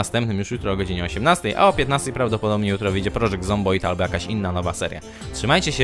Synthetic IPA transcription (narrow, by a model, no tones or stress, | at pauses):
ast̪ɛmpnɘmjuʂjut̪ɾɔːɡɔd͡ʑiɲɛɔɕɛmnast̪ɛjʔa̰ɔpʲjɛt̪nast̪ɛjpɾavd̪ɔpɔd̪ɔbɲɛjut̪ɾɔvɘijd͡ʑɛpɾɔʐɛɡzɔmbɔjt̪albɔjakaɕinːanɔvasɛɾja̰ | tʂɘmajt͡ɕɛɕɛ